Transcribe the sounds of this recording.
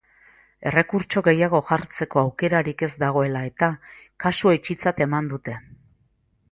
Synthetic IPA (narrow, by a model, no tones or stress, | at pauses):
e̞re̞kuɾt͡ʃo̞ɣe̞jaɣ̞o̞ʝaɾt͡se̞ko̞awke̞ɾaɾike̞zd̪aɣ̞o̞e̞lae̞t̪akasuet͡ʃit͡sat̪e̞mand̪ut̪e̞